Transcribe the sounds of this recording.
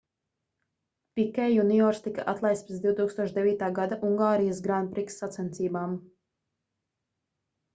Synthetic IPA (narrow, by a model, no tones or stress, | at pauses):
pikɛjuniɔɾst̪ikaʔat̪lˠajspt̪d̪ʲiwt̪uːkst̪uɔʃd̪ɛviːt̪aːɡad̪aʔuŋɡaːɾijəs̬ɡɾanpɾiksːat̪sɛnt̪siːbaːm